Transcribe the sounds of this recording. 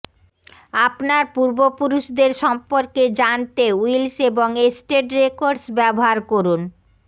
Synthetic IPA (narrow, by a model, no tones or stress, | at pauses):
apnaɾpuɾbopuɾuʃd̪eɾʃɔmpoɾked͡ʑant̪euilseboŋesʈeʈɾekoɾɖsbɛboɦaɾkoɾun